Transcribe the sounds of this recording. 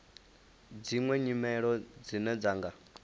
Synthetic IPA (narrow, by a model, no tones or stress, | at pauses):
d͡ziŋwɛɲimɛɺɔd͡zinɛd͡zaːŋɡa